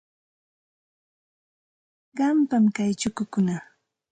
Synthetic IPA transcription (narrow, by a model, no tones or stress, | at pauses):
ɢɑmpamkajt͡ʃʊkʊkʊna